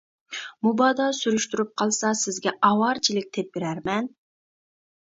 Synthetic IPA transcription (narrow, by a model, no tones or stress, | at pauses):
mubɑd̪ɑsyɾyʃt̪yɾyp̚qʰɑlˠsɑsɪzɡʲɛɑwɑɾt͡ʃʰilɪk̚ʲt̪ʰep̚beɾæɾmɛn